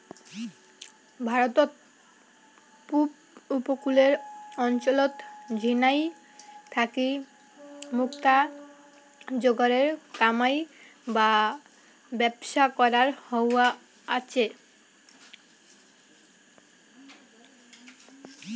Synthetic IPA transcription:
bʱaɾot̪o | pup | upokuleɾɔnt͡ɕolot̪d͡ʑʱinaj | t̪ʰaki | mukt̪a | d͡ʑoɡaɾeɾkamaj | ba | bɛbʃakɔɾaɾhowa | at͡ɕʰe

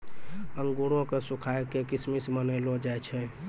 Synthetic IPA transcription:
əŋɡuɽõkesukʰaekekismismənəlod͡ʒajt͡ʃʰɛ

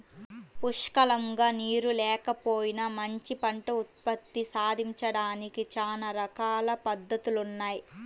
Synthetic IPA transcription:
puʂkɐlɐŋɡaːniːɾulɛːkɐpoːjinɐmɐɲt͡ʃipɐɳʈɐut̪̚pɐt̪ːisaːd̪ʱiɲt͡ʃɐɽaːnikit͡ʃaːnɐɾɐkaːlɐpɐd̪ːɐt̪ulunːaːji

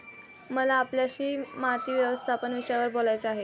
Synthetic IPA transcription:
məlaːpljaɕiːmat̪iːʋjəʋəst̪ʰapənʋiɕjaʋəɾbolajt͡səaɦe

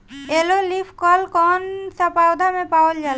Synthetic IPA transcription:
elolipʰkɔlkɔnsapawd̪amepaold͡ʑal

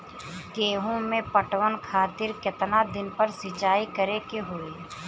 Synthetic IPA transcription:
keːɦõmẽpəʈwənkʰaːt̪ɪɾkɪt̪nad̪ɪnpəɾsɪt͡ʃaːikəɾekeɦoːiː

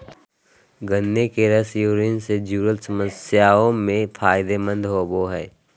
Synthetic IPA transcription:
ɡənːekeɾəsjuːɾɪnsed͡ʒuːɾəlsəməsjaːõmẽpʰaːɪd̪emə̃nd̪ɦoːboɦɛː

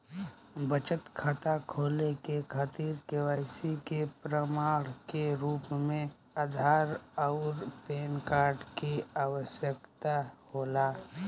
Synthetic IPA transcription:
bət͡ʃət̪kʰat̪akʰoːlekekʰaːt̪iːɾkewaːɪsikepɾəmaːɽkeɾuːpmẽ | əd̪ʱaːɾɔʊɾpeːnkaːɾɖkiaːʋəsjəkt̪ahoːlaː

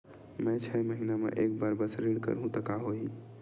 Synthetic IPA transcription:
mẽt͡ʃʰɛməɦinamḛʔek̚baɾbəsɾiɽkə̰ɾɦũt̪əkaɦoi

